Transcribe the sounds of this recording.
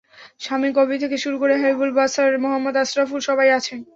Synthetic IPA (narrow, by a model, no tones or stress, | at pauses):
ʃamikɔbit̪ʰekeʃuɾukoɾeɦabibulbasaɾmoɦamːod̪asɾafuɾʃɔbajat͡ɕʰen